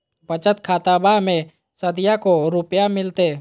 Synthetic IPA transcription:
pət͡ʃət̪kʰaːt̪abamẽ | səd̪ijakoɾʊpjamɪlt̪e

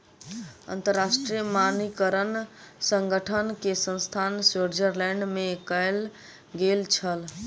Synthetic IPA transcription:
ə̰nt̪əɾːasʈɾijəmanikəɾənsəŋɡəʈʰənkesə̃nst̪ʰanseɾd͡ʒəɾlɛɳɖmekəjl | ɡelt͡ʃʰəl

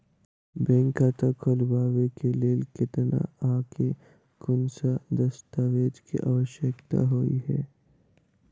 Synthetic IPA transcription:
bɛ̃ːŋkat̪akʰolbaːʋekeleːlkɪt̪na̰aːkʰe | kʊnsad̪ɐst̪aʋeːd͡ʒkḭʔa̰ʋəʃjəkt̪a̰ɦoːḭɦɛː

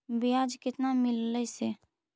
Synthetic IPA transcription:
bɪaːd͡ʒkɪt̪namɪlːəise

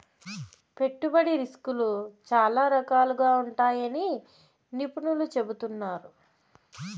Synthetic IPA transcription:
pe̞ʈːubɐɽiɾiskulut͡ʃaːlaːɾɐkaːluɡaːuɳʈaːjɐni | nipuɳulut͡ʃe̞but̪unːaːɾu

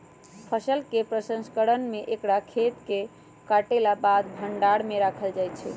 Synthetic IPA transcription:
pʰəsəlkepɾəsə̃nskəɾənmeʔekɽakʰet̪ke | kaʈelabad̪bʱəɳɖaɽmeɾakʰəld͡ʒajt͡ʃʰɛ̰

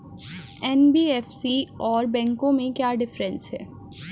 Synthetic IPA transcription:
ɛnbiːɛːfsiɔːɾbɛ̃ːŋkõmẽkjaːɖɪfɾə̃nsɦɛː

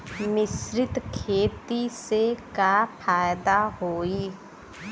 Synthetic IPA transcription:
mɪsɾɪt̪kʰeːt̪isekapʰaːjd̪aɦoːiː

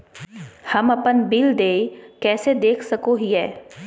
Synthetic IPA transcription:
hɐmɐpənbild̪eːkɛːsed̪eːkʰsɐkoɦiɦɛː

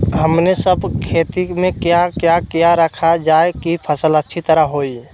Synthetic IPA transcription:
ɦəmnesəbkʰeːt̪imẽkjakjakijaɾəkʰad͡ʒaːekipʰəsələtːʃʰit̪əɾəɦɦoːi

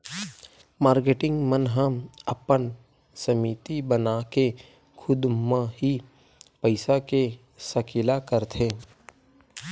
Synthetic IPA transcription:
maːɾkeːʈɪ̃ŋɡmənɦəməpən | səmiːt̪ibənake | kʰʊd̪mãɦi | pəɪsake | səkʰɪlakəɾt̪ʰeː

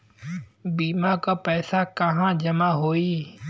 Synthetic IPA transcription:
biːmaːkapɛːsakəɦãːd͡ʒəmaɦoːiː

